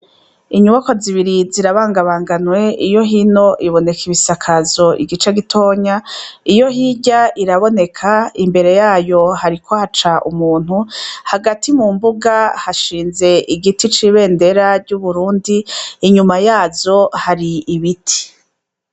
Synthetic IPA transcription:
iɲuβakoziβiɾiziɾaβaːŋɡaβaːŋɡanwe̞ijo̞ɦino̞ʔiβo̞ne̞kiβisakʰazo̞ʔiɡit͡ʃeɡitʰo̞ːɲaijo̞ɦiɟaʔiɾaβo̞ne̞kʰaimbe̞ɾe̞jaːjo̞haɾikʰohat͡ʃaʔumuːn̥huhaɡatʰimumbuɡahaʃiːnze̞ʔiɡitit͡ʃiβe̞ːnde̞ɾaɾɟuβuɾuːndiːɲumajaːzo̞haɾiiβitʰi̥

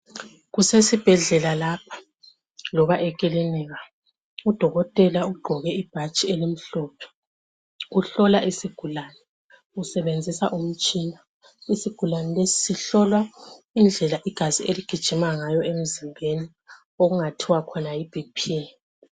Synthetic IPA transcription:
ɣusesib̥ʱɛɮɛlalapʰḁ | lɔβaʔɛkʼɛliniɣa | ud̥ʱɔɣɔtʼɛlauɡ͡ǃʱɔɣɛib̥ʱat͡ʃʼielim̩ɬɔpʰɛ̥ | uɬɔlaʔisiɡ̥ʱulaːnɛ | usɛβend͡zʱisa̰ʔum̩t͡ʃʼiːna | isiɡ̥ʱulanɛlesi̥siɬɔlwa | ind͡ɮʱɛlaʔiɡ̥ʱaziʔeliɡ̥ʱid̥ʒ̥ʱimaŋajɔem̩zimbʱeni | oɣuŋatʰiwakʰɔnajib̥ʱipʰi

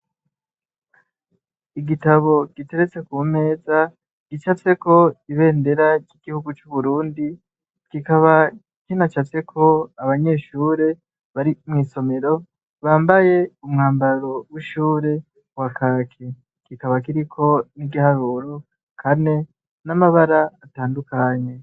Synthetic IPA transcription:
iɡitaβo̞ɡ̥ite̞ɾet͡se̞kume̞ːza | ɡ̥it͡ʃat͡se̞ko̞iβe̞ːnde̞ɾaɾɟiɡihuɡut͡ʃuβuɾuːndi | kikaβa | kinat͡ʃat͡se̞kʰo̞aβaɲe̞ːʃuːɾe̞ | βaɾimŋiːso̞me̞ɾo̞ | βaːmbaje̞umŋaːmbaɾo̞wiʃuːɾe̞ | wakʰaːkʰe | kikaβakiɾikʰo̞niɡihaɾuːɾo̞ | kʰane̞ | namaβaɾaːtaːndukaɲe̞

